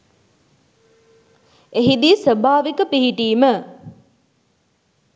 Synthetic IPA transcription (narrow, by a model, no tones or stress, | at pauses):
eɦid̪iːsʋəbʱaːʋikəpiɦiʈiːmə